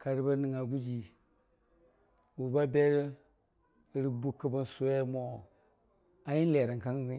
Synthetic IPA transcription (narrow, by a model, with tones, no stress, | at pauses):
ka˨ɾi˦ba˦ni˨ŋa˨ɡu˦d͡ʒi˨ | wu˨ba˦be˦ɾ | ɾi˦bu˦kːə˦ba˦nso˦ja˦mo˦˨ | a˨ji˦nle˨ɾa˨ŋ˨ka˦ŋ˦